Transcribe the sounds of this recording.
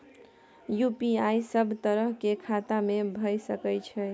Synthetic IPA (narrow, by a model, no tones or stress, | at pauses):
jupiajsəbʱt̪əɾəɦkekʰat̪amebʱəjsəkəjt͡ʃʰɛ